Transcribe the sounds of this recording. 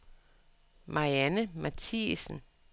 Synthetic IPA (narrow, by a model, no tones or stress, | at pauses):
mʔɑiænəmæt͡sʰisn̩